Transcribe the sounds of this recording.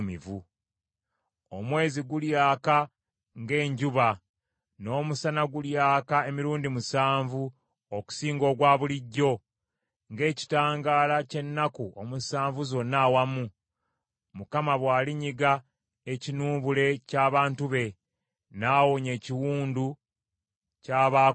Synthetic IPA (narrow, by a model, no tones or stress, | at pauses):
mivu | omwe̞ːziɡuljaːka | ŋɡe̞ːɲɟuβa | no̞ːmusanaɡuljaːkae̞miɾuːndimusaːɱvu | oku̥siːŋɡo̞ɡwaːβuliɟːo̞ | ŋɡe̞ːci̥taːŋɡaːlace̞nːakuo̰musaːɱvuzo̞nːaːwamu | mukamaβwaːliɲiɡa | e̞cinuːβule̞caːβaːntuβe̞ | naːwoɲe̞ːciwuːndu | caːβa